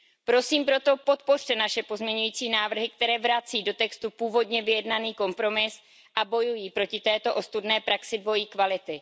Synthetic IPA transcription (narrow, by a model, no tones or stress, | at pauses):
pɾo̞siːmpɾo̞t̪o̞po̞t̪po̞r̝̥t̪ɛnaʃɛpo̞zmɲɛɲujiːt͡siːnaːvr̩ɦɪk̚t̪ɛɾɛːvɾat͡siːdo̞t̪ɛkst̪upuːvo̞dɲɛvɪjɛdnaniːko̞mpɾo̞mɪs | ʔabo̞jujiːpɾo̞cɪt̪ɛːt̪o̞ʔost̪udnɛːpɾaksɪdvo̞jiːkvalɪt̪ɪ